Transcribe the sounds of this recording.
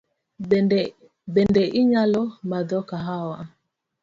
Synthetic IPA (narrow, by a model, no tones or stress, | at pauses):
bɛndɛʔiɲalɔmadɔkaɦawa